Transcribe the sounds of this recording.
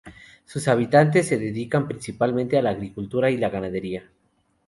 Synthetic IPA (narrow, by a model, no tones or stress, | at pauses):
susaβ̞it̪ant̪̬esːe̞ðeðikampɾinsipalmẽnt̪ealaːɣɾikult̪uɾailaɣanaðe̞ɾia